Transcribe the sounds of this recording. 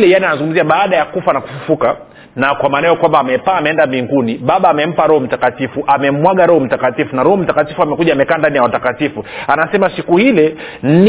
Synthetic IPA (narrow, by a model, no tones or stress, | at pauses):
lɛjanianazuŋɡum̩ziaɓaːɗajakufanaku̥fufuka | nakwamaːnajɔkwambaːmɛpaːmɛɛndamiŋɡuniɓaɓaːmɛm̩paɾɔhɔm̩takatifuʔamɛm̩waɠaɾɔhɔm̩takatifunaɾɔhɔm̩takatifuamɛkuʄaːmɛkaːndanijawatakatifuanasɛmasikuhilɛ